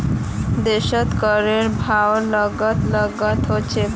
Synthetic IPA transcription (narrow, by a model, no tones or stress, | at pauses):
d̪eʃɔt̪kəɾeɾbʱawləɡət̪ləɡət̪ɦot͡ɕʰe